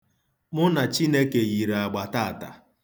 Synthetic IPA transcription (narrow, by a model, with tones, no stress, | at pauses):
mʊ˦na˨t͡ʃi˦ne˦ke˨ɣi˨ɾa˨ɡ͡ba˨ta˦˨ta̰˨